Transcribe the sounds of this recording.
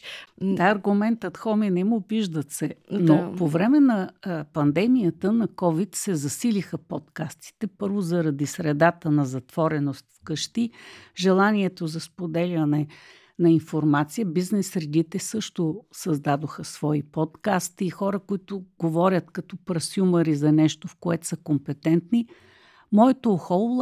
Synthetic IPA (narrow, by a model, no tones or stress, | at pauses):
d̪aɐɾɡʊmɛnt̪ət̪xɔminɛmubiʒd̪ət̪sɛnopovɾɛmɛnɐpɐnd̪ɛmijət̪ənɐkɔvit̪sɛzɐsilixəpot̪kast̪i̥t̪ɛpɤɾvʊzɐɾɐd̪isɾɛd̪at̪ənɐzɐt̪v̥ɔɾɛnost̪fkəʃt̪iʒɛlˠaniɛt̪ozɐspod̪ɛlʲɐnɛ | nɐinfoɾmat̪sijəbiznɛsɾɛd̪it̪ɛsɤʃt̪ʊsɐzd̪ad̪oxəsv̥ɔipɔt̪kast̪iːxɔɾəkoit̪ʊɡ̥ovɔɾʲət̪kɐt̪ɔpɾɐsʲjumɐɾizɐnɛʃt̪ofkoɛt̪səkompɛt̪ɛnt̪ni | mɔɛt̪oxolˠ